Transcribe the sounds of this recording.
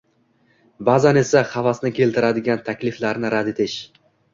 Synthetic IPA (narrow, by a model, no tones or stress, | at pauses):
bazane̞saχavasnɪkʲʰe̞lt̪ʰɪɾad̪ɪɡʲant̪ʰakʲlɪflaɾnɪɾad̪e̞t̪ʰɪʃ